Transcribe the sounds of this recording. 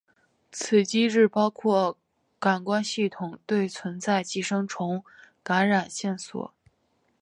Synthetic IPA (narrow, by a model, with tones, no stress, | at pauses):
t͡sʰɹ̩˨˩t͡ɕi˥ɻɻ̩˥˩pɑ˥ʊkʰwɔ˥˩ | ka˨˩nkwa˥nɕi˥˩t̪ʰʊ˨˩ŋt̪we˥˩ɪt͡sʰwə˧˥nt͡sa˥˧ɪt͡ɕi˥˩ʂɤ˥ŋʈ͡ʂʰʊ˧˥ŋ | ka˧˥nɻa˨˩nɕjɛ˥˩nswɔ̰˨˩˦